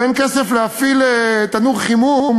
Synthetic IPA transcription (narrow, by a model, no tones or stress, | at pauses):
enkesefleafilet̪anuʁχimum